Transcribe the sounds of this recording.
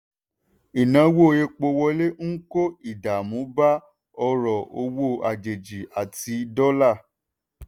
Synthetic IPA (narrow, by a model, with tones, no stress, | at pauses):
i˨nã˨˦wo˦˨je˧k͡po˧wɔ˧˦le˦ŋ̩˦ko˦i˨da˨mũ˨˦ba˦ | ɔ˧ɾɔ˨o˧wo˦˨a˨d͡ʒe˨d͡ʒi˨a˨ti˧dɔ˦la˦˨